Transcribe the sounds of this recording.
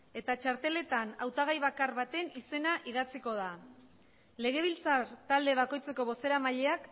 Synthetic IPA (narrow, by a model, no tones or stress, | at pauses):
e̞t̪at͡ʃaɾt̪e̞le̞t̪anawt̪aɣ̞ajβakaɾβat̪e̞nise̞naʔið̞at͡siko̞ð̞a | le̞ɣ̞e̞β̞ilt͡saɾt̪ald̪e̞β̞ako̞jt͡se̞ko̞βo̞se̞ɾamaʎe̞ak